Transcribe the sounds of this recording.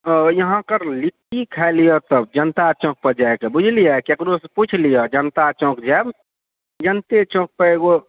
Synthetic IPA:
jəɦãkəɾlikikʰalijɔt̪əb̚d͡ʒənt̪at͡ʃõk̚pəd͡ʒaekebud͡ʒʱlijakekɾosput͡ʃʰlijɔd͡ʒənt̪at͡ʃɔ̃kd͡ʒab | d͡ʒənt̪et͡ʃõk̚pəeɡo

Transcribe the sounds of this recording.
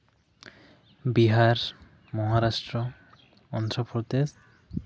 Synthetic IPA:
biɦaɾ | mɔɦaɾaʃʈɾo | ɔnt̪ɾopʰɾot̪es

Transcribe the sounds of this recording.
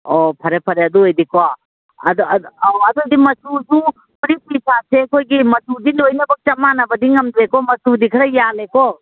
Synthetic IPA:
ɔpʰɐɾepʰɐɾeɐd̪uejdikwa | ɐ̰dɐd̪udimɐsusu | uɾipisʰasekʰojɡimɐsudilojnɐbɐk̚t͡ʃɐmanɐbɐdiŋɐmd̪ɾekɔmɐsudikʰɐɾɐjalekɔ

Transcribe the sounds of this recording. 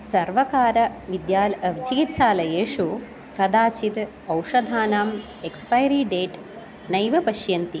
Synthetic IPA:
sɐɾʋɐkaːɾɐʋid̪jaːlʋid͡ʒikit̪saːlɐjeːʂu | kɐd̪aːt͡ʃit̪ | ɐwʂɐd̪ʱaːnaːm | ekspɐjɾiːɖeːʈ | nɐjʋɐpɐʃjɐnt̪i

